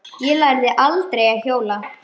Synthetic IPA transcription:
jɛlajɾðɪʔalt̪ɾejaðçjoːwla

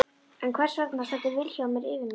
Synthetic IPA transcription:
ɛnkʰvɛr̥sœknasat̪ɪvɪlçaamjɛɾɪːvɪn

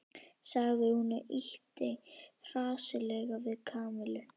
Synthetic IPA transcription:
saɣðɪhunaʔiht̪ejr̥aːsɪlɛɣavɪðkʰaːmɪlʏ

